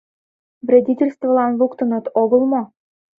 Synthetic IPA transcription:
vrʲedʲitʲelʲst̪vəlˠɑnlukt̪ɤ̆nɤ̆t̪oɡɤ̆lˠmo

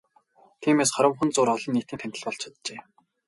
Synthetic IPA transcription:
t̪ʰiːmeːsχaɾə̆mxŭnt͡sʊːɾɔɮĭnːiːt̪iːnt̪ʰæn̥ʲt̪ɘ̆ɮpɔɮt͡ɕʰḁt̪t͡ɕeː

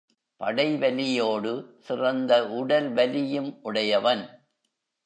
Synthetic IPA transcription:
pɐ̰ɽɐɪʋɐlɪjoːɽɯsɪrɐnd̪ɐʔʊɽɐlʋɐlɪjɯmʔʊɽɐjɐʋɐn

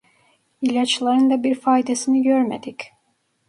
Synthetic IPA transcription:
ilʲat͡ʃlˠaɾɯnd̪abiɾfaːid̪esiniɟøɾmḛd̪ic

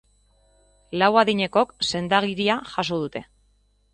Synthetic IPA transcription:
lawaðiɲe̞ko̞kse̞nd̪aɣiɾiaʝaso̞ð̞ut̪e̞

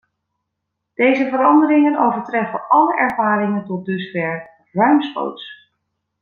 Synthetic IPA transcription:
d̥ejzəvəɾɑndəɾɪŋənowvəɹtrɛfə̰ʔɑləʔɛɹvaːɾɪŋəntɔt̚dɵsfɛɹ | rœɥmsχo̰wts

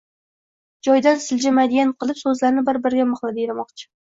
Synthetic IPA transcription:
d͡ʒɒjd̪ansɪld͡ʒɪmad̪ijanqʰɨlˠɪpsɵzlaɾnɪbɪɾbɪɾɡʲamɑχlˠad̪ɪɾamɒqt͡ʃʰɪ̥

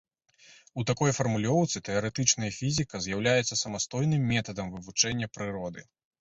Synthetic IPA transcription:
ut̪akɔjfɐrmulʲɔwt̪sɨt̪ɛɐɾɛt̪ɨt͡ʂnɐjɐfʲizʲikɐzjawlʲajɛt̪sːɐsɐmast̪ɔjnɨmːʲɛt̪ɐd̪ɐmvɨvut͡ʂɛnʲːɐpɾɨɾɔd̪ɨ̰

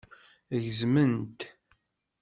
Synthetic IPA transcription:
əʝzmənt̪

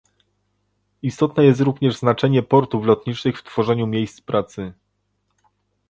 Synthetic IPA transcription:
ist̪ɔt̪nɛjɛst̪ɾuvɲɛʐznat͡ʂɛɲɛpɔɾt̪uflɔt̪̚ɲit͡ʂnɘxft̪fɔʐɛɲumʲjejst̪spɾʔat̪sɘ

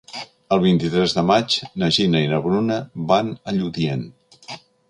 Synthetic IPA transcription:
əlˠβ̞int̪it̪ɾɛzðəmat͡ʃnəʒinəinəβɾunəβanəʎuðien

